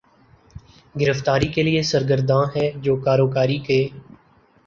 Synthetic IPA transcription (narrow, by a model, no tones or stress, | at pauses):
ɡɪɾəft̪aːɾikeliesəɾɡəɾd̪ʱãːɦɛːd͡ʒoːkaːɾoːkaːɾiːkeː